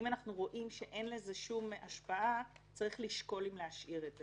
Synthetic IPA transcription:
imanaχnuʁo̞ʔimʃe̞ʔe̞nle̞ze̞ʃumaʃpaʔat͡saʁiχliʃko̞limleaʃʔiʁet

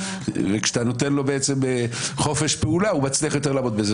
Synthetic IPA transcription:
vekʃt̪ano̞t̪enlo̞beet͡semeχo̞fe̞ʃpeulaumat͡sliaχjot̪̬elaːmod̪beze

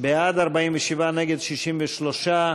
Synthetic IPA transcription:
bead̪aʁbaimveʃivaneɡed̪ʃiʃimveʃloʃa

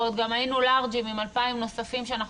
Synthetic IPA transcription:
ot̪̚ɡamajinulaʁd͡ʒimimalpaimno̞safimʃeanaχ

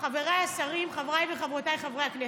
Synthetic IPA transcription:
χaveʁajasaʁimχavʁajveχavʁot̪ajχavʁejakne

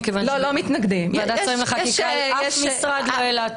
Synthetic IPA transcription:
kevanlolomit̪naɡd̪imvadaʁimleχakiʃajɛʃmisʁad̪loelat

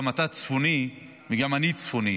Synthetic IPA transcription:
mat̪at͡sfuni | miɡamanit͡sfuni

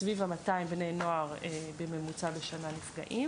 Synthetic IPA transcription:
svivamataimbnejnoaʁebeme̞mut͡sabeʃananifɡa̰ʔim

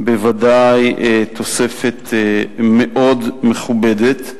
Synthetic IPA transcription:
bevadajt̪ʰo̞sefet̪meʔo̞dmeχubedet̪

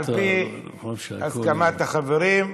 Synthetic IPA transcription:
lpi | askamat̪aχaveɾim

